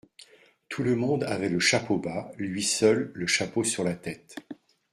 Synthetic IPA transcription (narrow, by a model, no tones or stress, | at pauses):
t̪ʰuləmɔ̃d̪avɛləʃapʰobalɥisœlːəʃaposyʁlat̪ɛt̪